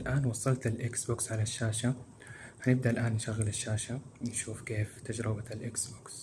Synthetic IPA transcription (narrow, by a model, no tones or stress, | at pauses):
lʔaːnwɑsˤːɑlt̪ɪlʔɪksboːksʕalaʃːaːʃa | hanɪb̚d̪aɪlʔaːnːʃaɣːɪlɪʃːaːʃanʃuːfkeːft̪ad͡ʒɾɪbaɪlʔɪksboks